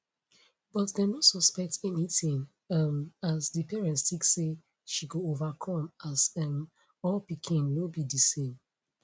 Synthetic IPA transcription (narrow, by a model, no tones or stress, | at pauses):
bɔtdenosɔspɛk̚tɛniθĩŋ | ɛmasdɨpʰɛɹɛ̃ntstiksːe | ʃikoovakʰɔ̃masɛm | ɔlpikʰĩnwobidisẽm